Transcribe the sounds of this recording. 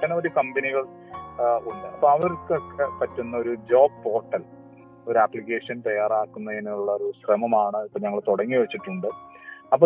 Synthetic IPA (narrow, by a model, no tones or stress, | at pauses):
ɐnɐoɾukɐmbɐniɣɐɭ | uɳɖɨʔɐpːɐmɐʋɐɾkːɨokːepɐtːunːɐoɾud͡ʑo̞ːbpo̞ːrʈːɐl | oɾuaːpːlikːe̞ːʂɐnt̪ɐjːaːraːkːunːɐðiniuɭːɐoɾuɕrɐmɐmaːɳɨipːoɲɐŋːɐɭt̪oɽɐŋːiʋɐt͡ɕːiʈːuɳɖɨ | ɐp̬ːo